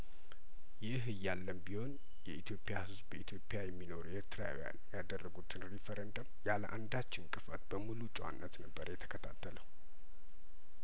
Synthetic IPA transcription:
jɪɦɨjːalːəmbiho̞n | jɛʔit̪ʰjo̞pʼejahɨzbəit̪ʰjo̞pʼːjajɛmːino̞ɾueɾt̪ʰɾa̰oja̰njad̪ərːəɡut̪ʰɨnɾifəɾend̪əmjaləʔand̪at͡ʃːɪnkʼɨfət̪bəmulut͡ʃʼwa̰nːət̪nəbːəɾjɛt̪ʰə̥kʰət̪ʰat̪ʰːələw

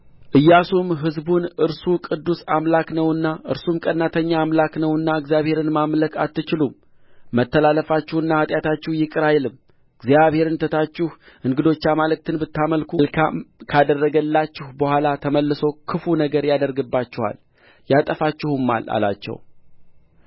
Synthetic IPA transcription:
ʔɨjːasumɦɨzbunʔɨɾsukʼɨd̪ːusamlaknəwɨnːaʔɨ̰ɾsumkʼənːat̪ʰəɲːaːmlaknəwɨnːaɨɡzijaβhe̞ɾɨnmamləkat̪ːɨt͡ʃɪlumː | ət̪ːəlaləfat͡ʃːɪhɨnːahat̪ʼjat̪ʰat͡ʃːɪhjɪkʼɨɾajlɨm | ɨɡzjaβhe̞ɾɨnt̪ʰət̪ʰat͡ʃːɪh | ʔɨŋɡɨd̪o̞t͡ʃːamalɨk̚t̪ʰɨnbɨt̪ːaməlkʰulkʰamkʰad̪ərːəɡəlːat͡ʃːɪhbəhʷalat̪ʰəməlːɨso̞kʰɨfunəɡəɾjad̪əɾɡɨbːat͡ʃːɪha̰l | jat̪ʼəfat͡ʃːɪhɨmːa̰la̰la̰t͡ʃːɛ̰w

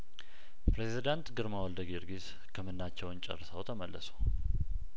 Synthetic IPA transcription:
pɾezid̪ant̪ɡɨɾmawɔld̪əɡiɾɡis | kʰəmɨnːat͡ʃːɛwnt͡ʃʼɛ̰rsəwt̪ʰəməlːə̰su̥

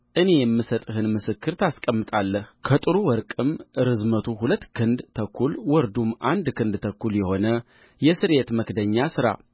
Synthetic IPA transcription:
ʔɨne̞jɛmːɨsət̪ʼhɨnmɨsɨkːɨɾt̪ʰaskʼəmːɨt̪ʼalːəhkʰət̪ʼɨɾuwɔɾkʼɨmʔɨɾɨzmət̪ʰuɦulət̪ːkʰɨnd̪t̪ʰəkʰːulwɔɾd̪umʔand̪kʰɨnd̪t̪ʰəkːuljɛho̞nə | jɛsɨɾe̞t̪məkd̪əɲːasɨɾa̰

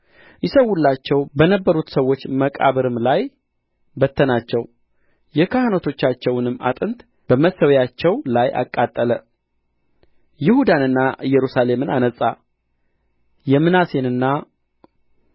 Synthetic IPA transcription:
jɪsəwːulːat͡ʃːɛwbənəbːəɾut̪səwːo̞t͡ʃːməkʼa̰βɨɾɨmlaj | bət̪ʰːənat͡ʃːɛw | jɛkʰahanot̪ʰo̞t͡ʃːat͡ʃːɛwnɨmːa̰t̪ʼɨnt̪ | b̥əməsəwjat͡ʃːɛwlajʔa̰kʼːat̪ʼːələ | jɪhud̪anɨnːajɛɾusale̞mɨnanəsʼa | jɛmːɨnase̞nɨnːa

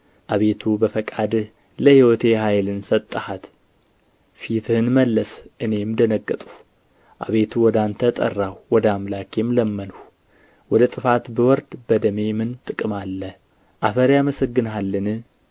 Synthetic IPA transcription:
ʔaβe̞t̪ʰubəfəkʼad̪ | ləhiwot̪ʰe̞ɦajlɨnsət̪ʼːəhat̪ | fit̪ʰhɨnməlːəsʔɨne̞md̪ənəɡːət̪ʼuh | ʔa̰βe̞t̪ʰuwɔd̪ant̪ʰət̪ʼə̰rːawwɔd̪amlakʰemləmːən | wɔd̪ət̪ʼɨfat̪bəwɔɾd̪bəd̪əme̞mɨnt̪ʼɨkʼɨmalːə | ʔafəɾjaməsəɡːɨnɦalːɨnɨ

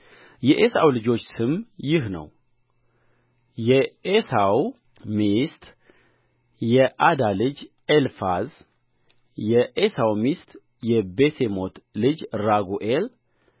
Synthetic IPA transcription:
jɛʔesa̰wlɨd͡ʒo̞t͡ʃːsɨmjɪɦnə̰w | jɛesaw | mist̪ | jɛʔad̪alɨd͡ʒ | elfaz | jɛʔesawmist̪ | jɛbesemo̞t̪lɨd͡ʒɾaɡuʔel

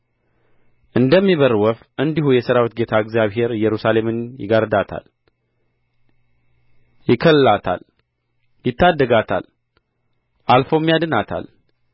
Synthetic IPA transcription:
ʔɨnd̪əmːiβəɾwəfʔɨnd̪ihujɛsɨɾawit̪ɡe̞t̪ʰaɨɡzijaβɦe̞ɾjɛɾusale̞mɨnjɪ̰ɡaɾd̪at̪ʰa̰l | jɪkʰəlɨlat̪ʰa̰l | jɪt̪ʰːad̪ːəɡat̪ʰa̰l | ʔalfo̞mːjad̪ɨnat̪ʰa̰l

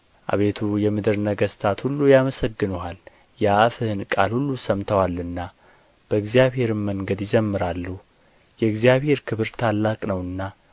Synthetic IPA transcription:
ʔa̰βe̞t̪ʰujɛmɨd̪ɨɾnəɡəst̪ʰat̪hulːujaməsəɡːɨnuhal | jɛafɨhɨnkʼalhulːusəmt̪ʰəwalːɨnːa | b̥əɨɡzijaβhe̞ɾɨmməŋɡəd̪jɪzəmːɨɾalːu | jɛɨɡzjaβhe̞ɾkʰɨβɨɾt̪ʰalːakʼnəwɨnːa

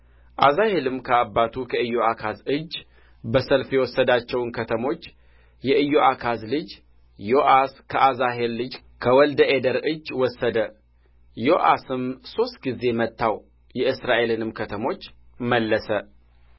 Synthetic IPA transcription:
ʔazahe̞lɨmkʰəabːat̪ʰukʰəɨjːoakʰazɨd͡ʒː | bəsəlfjɛwɔsːəd̪at͡ʃːɛwnkʰət̪ʰəmo̞t͡ʃː | jɛʔɨjːoʔakʰazlɨd͡ʒ | jo̞ʔaskʰəʔazaɦe̞lːɨd͡ʒ | kʰəwɔld̪əʔed̪əɾɨd͡ʒːwɔsːəd̪ə | jo̞ʔasɨmso̞st̪̚ɡize̞mət̪ːaw | jɛʔɨsɾaʔe̞lɨnɨmkʰət̪ʰəmo̞t͡ʃː | məlːəsə

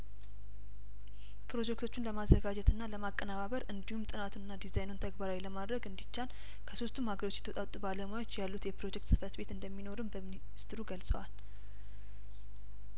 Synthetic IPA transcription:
pʰɾo̞d͡ʒɛk̚t̪ʰo̞t͡ʃːɪnləmazːəɡad͡ʒɛt̪ʰɨnːaləmakʼːənaβaβəɾɨnd̪ihumt̪ʼɨnat̪ʰunɨnːad̪izajnont̪ʰəɡbaɾawiləmad̪ɾəɡɨnd̪it͡ʃːal | kʰəso̞st̪ʰumhaɡəɾo̞t͡ʃːjɛ̥t̪ʰət̪ʼat̪ʼubaləmajwot͡ʃːjalːut̪jɛpɾo̞d͡ʒɛkt̪sɨfət̪be̞t̪ɨnd̪əmːino̞ɾɨmbəmini | st̪ɨɾuɡəlsʼəwal

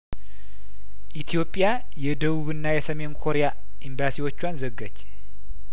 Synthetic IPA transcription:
ʔit̪ʰijo̞pʼja | jɛd̪əβuβɨnːajɛsəme̞nkʰo̞ɾeja | ʔimbasiwo̞t͡ʃːwanzəɡːət͡ʃː

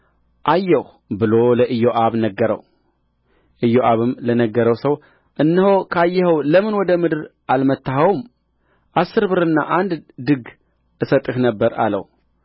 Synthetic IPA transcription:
ʔajːɛh | bɨlo̞ləʔɨjːoʔaβnəɡːəɾə̰w | ʔɨjoʔaβɨmlənəɡːəɾəwsəw | ʔɨnːɨhokʰəajːɛhəwləmɨnwɔd̪əmɨd̪ɨɾʔalmət̪ːaɦawm | ʔasːɨɾbɨɾɨnːa̰ʔand̪d̪ɨɡ | ʔɨsət̪ʼːɨhnəbːəɾa̰lə̰w

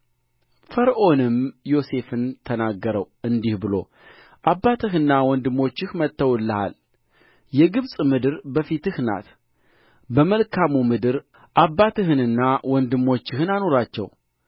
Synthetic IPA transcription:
fəɾʔo̞nɨmjo̞se̞fɨnt̪ʰənaɡːəɾəwʔɨnd̪ihbɨlo̞̰ | ʔabːat̪ʰɨɦɨnːawɔnd̪ɨmːo̞t͡ʃːɪhmət̪ːəwlːəha̰l | jɛɡɨβsʼmɨd̪ɨɾbəfit̪ɨhna̰t̪ | bəməlkʰamumɨd̪ɨɾ | ʔabːat̪ʰɨɦɨnɨnːawɔnd̪ɨmːo̞t͡ʃːɪhɨnano̞ɾat͡ʃːɛ̰w

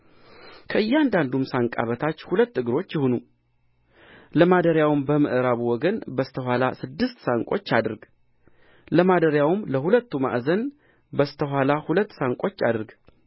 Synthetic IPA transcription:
kʰəɨjːɛand̪and̪umsaŋkʼa̰βət̪ʰat͡ʃːhulət̪ːɨɡɨɾo̞t͡ʃːjɪhonu | ləmad̪əɾjawmbəmɨʔɾaβuwɔɡənbəst̪ʰəɦʷalasɨd̪ːɨst̪saŋkʼo̞t͡ʃːad̪ɨɾɡ | ləmad̪əɾjawmləhulət̪ːuma̰ʔzən | bəst̪ʰəɦwalahulət̪ːsaŋkʼo̞t͡ʃːad̪ɨɾɡ

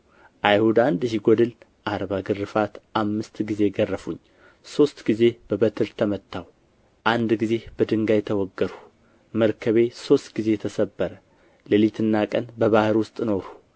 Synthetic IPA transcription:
ʔajhud̪and̪ɨjiɡɔd̪ɨl | ʔaɾβaɡɨrːɨfat̪ʔamːɨst̪ɡize̞ɡərːəfuɲː | so̞st̪ɡize̞b̥əbət̪ʰɨɾt̪ʰəmət̪ʰːaw | ʔand̪ɡize̞b̥əd̪ɨŋɡajɛt̪ʰəwɔɡːəɾu̥ | məɾkʰəβe̞so̞st̪ɡ̥ize̞jɛt̪ʰəsəbːəɾə | ləlit̪ʰɨnːakʼənbəβahɨɾwʊst̪ʼnoɾu

